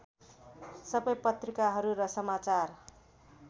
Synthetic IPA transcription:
sʌbʌjpʌt̪rikaɦʌɾuɾʌsʌmat͡sar

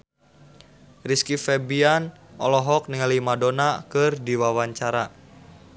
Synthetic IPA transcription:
riskifɛbian | ʔɔlɔɦɔk̚niŋalimadonakɨrdiwawaɲt͡ʃaɾa

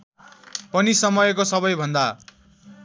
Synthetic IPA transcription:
pʌnisʌmʌjkosʌβʌjbʱʌnd̪a

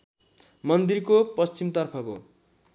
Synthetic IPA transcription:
mʌnd̪irkopʌst͡ɕimt̪ʌrpʰʌko̰

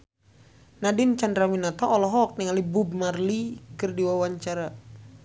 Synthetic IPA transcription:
nadint͡ʃandɾaminat̪ɔʔːlɔɦɔk̚niŋalibub̚marlikɨrdiwawaɲt͡ʃaɾa

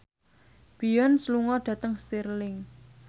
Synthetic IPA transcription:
b̥i̤jɔnsluŋɔɖ̥ä̤t̪əŋst̪irlɪŋ

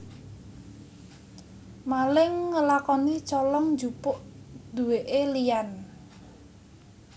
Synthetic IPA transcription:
malɪŋːəlakɔnit͡ʃɔlɔŋd͡ʒupʊʔd̪̥ṳweʔelijan

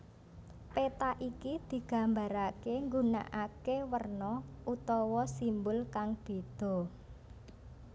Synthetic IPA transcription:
pet̪aʔikid̪̥i̤ɡ̥ä̤mbaɾakeŋɡuna̰ʔakewərnɔʔut̪ɔwɔsimbʊlkaŋb̥e̤d̪̥ɔ̤

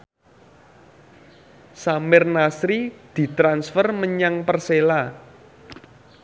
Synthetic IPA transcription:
samɪrnasɾid̪̥i̤t̪ɾansfərməɲaŋpərsela

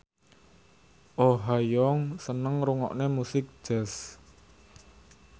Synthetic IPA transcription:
ʔoɦajɔŋsənəŋɾuŋɔ̰ʔnemusɪk̚d͡ʒ̥ɛs

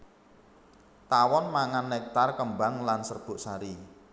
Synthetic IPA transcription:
t̪awɔnmaŋanːɛk̚t̪arkəmbaŋlansərb̥ʊ̤ʔsaɾi

